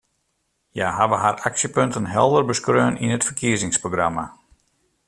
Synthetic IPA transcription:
jaɦaʋəɦaraksjəpøntənɦɛlˠdərbəskrøːənʔinətfərkʰiəzɪŋsproɡrama

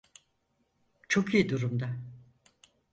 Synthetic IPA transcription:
t͡ʃʰo̞kijid̪uɾumd̪a

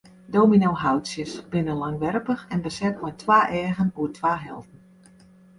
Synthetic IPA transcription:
doːminowɦawtsjəsb̥ɪnəlaŋʋɛrpəxɛnbəsɛt̚mɛjtʰʋaːʔɛːɣənuətʰʋaːɦɛlˠtən̩

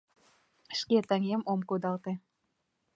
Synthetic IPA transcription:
ə̆ʃket̪æŋemomkud̪ɑlt̪ĕ

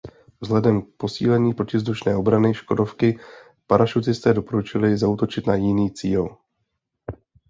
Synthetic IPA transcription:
vzlɛdɛmk̚po̞siːlɛɲiːpɾocɪvzd̪uʃnɛːʔo̞bɾanɪʃko̞do̞fkɪ | paɾaʃut͡sɪst̪ɛːdo̞po̞ɾut͡ʃɪlɪzaut̪o̞t͡ʃɪt̪najɪniːt͡siːl

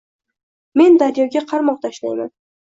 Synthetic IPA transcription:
me̞nd̪aɾjɒɡʲaqʰɑɾmɒq̚t̪ʰaʃlajma̰n

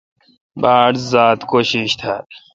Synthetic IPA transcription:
baːɽzaːt̪koɕiɕt̪ʰal

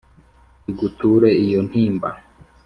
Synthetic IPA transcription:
iɡutuːɾeijon̥hiːmba̰

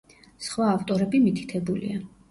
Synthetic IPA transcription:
sχwaːft̪ʼɔɾɛbimit̪ʰi̥t̪ʰɛbulḭa

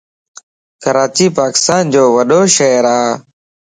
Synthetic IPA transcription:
kəɾaːt͡ʃiːpaːkɪ̥st̪aːnd͡ʒoːʋəɗoːʃəɦɾaː

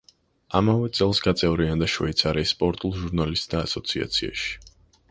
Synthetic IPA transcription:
amavɛt̪sʼɛlˠsɡat̪sʼɛvɾiand̪aʃvɛ̰it̪sʰaɾɛspʼɔɾt̪ʼulˠʒuɾnalist̪ʼd̪aːsɔt̪sʰia̰t̪sʰia̰ʃi̥

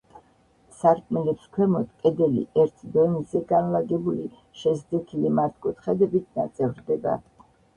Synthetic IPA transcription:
saɾkʼmɛlɛpskʰwɛmɔt̪ʰkʼɛd̪ɛlḭʔɛɾt̪ʰd̪ɔnizɛɡanlaɡɛbuli | ʃɛzd̪ɛt̪ʰilimaɾt̪ʰkʼut̪ʰχɛd̪ɛbit̪ʰna̰t̪sʼɛvɾd̪ɛba̰

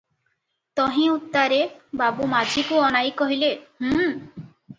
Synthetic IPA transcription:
t̪ɔɦĩut̪ːaɾebabumad͡ʒʱikuɔnajkɔɦilehũ

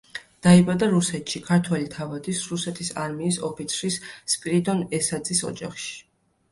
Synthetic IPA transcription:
d̪̥aibad̪aɾusɛt̪ʃikʰaɾt̪ʰwɛlit̪ʰavad̪isɾusɛt̪ʰisaɾmiːsɔpʰit̪sʰɾisspʼɾid̪ɔnɛsad̪zisɔ̰d͡ʒa̰χʃi̥

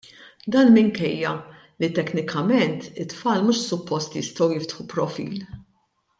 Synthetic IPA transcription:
d̪ɐːnmɪŋkɛjːɐ | lit̪ɛknɪkʰɐmɛnt̪ɪt̪ːfɐːlmuːʃsʊpːɔst̪jɪst̪ɐwjɪft̪ħupɾɔfḭːl

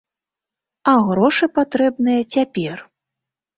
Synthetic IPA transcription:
aɣɾɔʂɨpat̪ɾɛbnɨjɐt͡sʲapʲɛr

